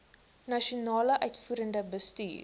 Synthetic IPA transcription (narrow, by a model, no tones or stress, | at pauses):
nɐʃionɑːləʔœɥtfuːɾəndəbəsty̰ːr